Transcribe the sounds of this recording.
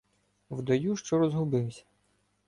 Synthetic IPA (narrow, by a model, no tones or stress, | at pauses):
wd̪ɔjuʃt͡ʃɔɾɔzɦʊbɪwsʲɐ̥